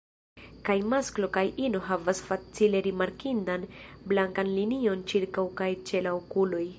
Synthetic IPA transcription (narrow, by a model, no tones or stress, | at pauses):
kajmasklo̞kajʔino̞ɦavasfat͡sile̞ɾimaɾkindanblaŋkanlinio̞nt͡ʃiɾkawkajt͡ʃe̞lawkulo̞j